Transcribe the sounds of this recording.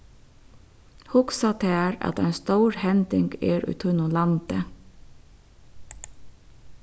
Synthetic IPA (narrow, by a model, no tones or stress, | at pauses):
hʊksɑt̪ʰeːæɹɑ̰t̪æɪnst̪uːɹhɛnd̪ɪŋɡeːɾʉ̰ːt̪ʰʉnʊlɑnd̪̥ə